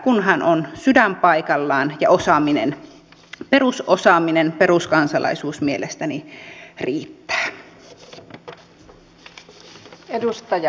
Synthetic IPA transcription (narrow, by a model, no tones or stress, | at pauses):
kunɦænʔonsydæmpɑikɑlːɑːnjɑ̰ʔosɑːminḛn | pe̞ɾusosɑːminenpe̞ɾuskɑnsɑlʔɑ̰isuːsmielest̪æniriːt̪ːæ̥ː | edust̪ɑj